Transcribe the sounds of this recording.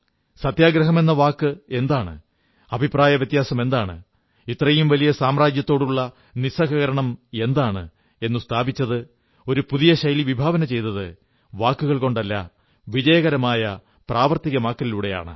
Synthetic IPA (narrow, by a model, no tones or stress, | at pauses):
sɐt̪jaːɡɾɐɦɐme̞nːɐʋaːkːɨe̞nd̪aːɳɨ̰ | ɐbʱipraːjɐʋjɐt̪jaːsɐme̞nd̪aːɳɨ̰ | it̪ːrɐjumʋɐlijɐsaːmraːd͡ʑjɐt̪ːo̞ːɽuɭːɐ | nisɐɣɐɣɐɾɐɳɐme̞nd̪aːɳɨ | e̞nːust̪ʰaːbit͡ɕːɐðɨ | o̞ɾupuðijɐɕɐjliʋibʱaːʋɐnɐt͡ɕe̞jt̪ːɐðɨ | ʋaːkːuɣɐɭko̞ɳɖɐlːɐ̰ | ʋid͡ʑɐjɐɣɐɾɐmaːjɐ | praːʋɐrt̪iɣɐmaːkːɐliluːɽe̞ja̰ːɳɨ̰